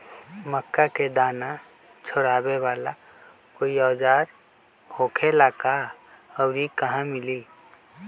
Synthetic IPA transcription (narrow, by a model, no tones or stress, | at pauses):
məkːaked̪aːna | t͡ʃʰoɾaːbeʋaːla | koiɔːd͡ʒaːɾ | hoːkʰelaːka | əʊɾikəɦãmɪli